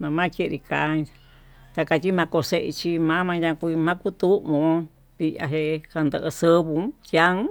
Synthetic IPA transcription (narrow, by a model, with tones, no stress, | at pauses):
mã˧mã˦˧ke˦˧ɾi˧ka˨˦˧ | t̪a˧ka˧t͡ʃi˦mã˧ko˧se˧ʔḭ˧t͡ʃi˧mã˦mã˧jã˧kʷu˧mã˦ku˦t̪u˦õ˧ | t̪i˧a̰˧ɦe˧ha˧nd̪ə˧ʔsə˦˧βu˧˦ja˦